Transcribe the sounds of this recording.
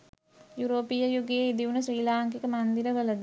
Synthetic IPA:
juɾoːpijɐjuɡeid̪iʋunəsɾiːlaːŋkikəmɐnd̪iɾəʋəlɐd̪

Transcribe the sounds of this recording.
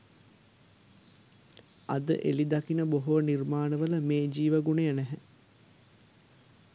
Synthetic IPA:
ad̪ə̰ʔḛlid̪akinəboɦoʋənirmaːnəʋələmeːd͡ʒiːʋəɡunejənæɦɛ

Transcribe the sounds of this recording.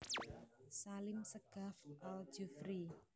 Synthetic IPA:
salɪmsəɡ̥a̤fʔal̥d͡ʒəfɾi

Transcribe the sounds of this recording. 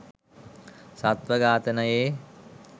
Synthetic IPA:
sat̪ʋəɡaːt̪ənəjeː

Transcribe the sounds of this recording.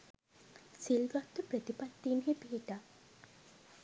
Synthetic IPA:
silɡat̪ːupɾət̪ipat̪ːiːnɦebiiʈa

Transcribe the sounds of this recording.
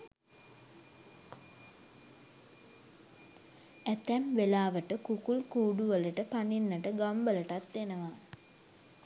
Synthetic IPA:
ɛt̪ɛmʋelaːʋəʈəkukulkuːɖuʋələʈəpaninːəʈəɡambələʈat̪ːenəʋa

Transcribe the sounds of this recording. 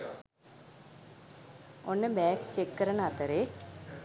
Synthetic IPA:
onːebaːkt͡ɕekːɐɾɐnaːt̪ːɐɾe

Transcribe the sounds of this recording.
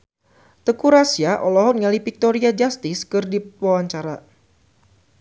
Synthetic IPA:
t̪əkuɾasiaʔɔlɔɦɔnŋalipik̚t̪ɔɾiad͡ʒast̪ɪskɨrdiwawaɲt͡ʃaɾa

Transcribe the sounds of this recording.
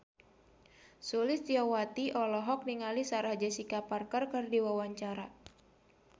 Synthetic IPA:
sulɪst̪iɔwat̪iʔɔlɔɦɔk̚niŋalisaɾahd͡ʒasikaparkərkərdiwawaɲt͡ʃaɾa

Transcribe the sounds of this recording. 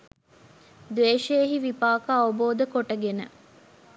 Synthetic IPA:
d̪ʋeːʃeːɦiʋipaːkaːoboːd̪əkoʈəɡenə̰

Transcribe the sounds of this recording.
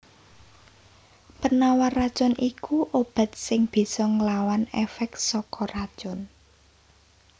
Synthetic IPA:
pənawarat͡ʃʊnʔikuʔob̥a̤t̪̚sɪŋb̥i̤sɔŋəlawanɛfɛk̚sɔkɔrat͡ʃɔn

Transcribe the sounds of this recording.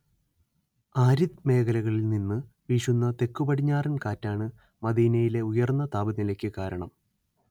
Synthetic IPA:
aːɾiðme̞ːkɐlɐɣɐɭilninːɨ | ʋiʂunːɐt̪e̞kːubɐʈiɲːaːrɐnkaːtːaːɳɨ | mɐd̪iːnɐjile̞ujɐrnːɐt̪aːbɐðilɐkʲːɨkaːɾɐɳɐm

